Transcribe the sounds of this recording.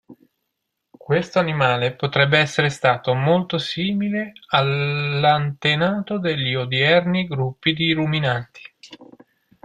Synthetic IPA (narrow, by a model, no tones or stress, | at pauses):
kwest̪oanimaːlepot̪ɾɛbːeɛsːeɾest̪aːt̪omolt̪osiːmilealːant̪enaːt̪od̪eʎːiod̪jɛrniɡɾupːid̪iɾuminant̪i̥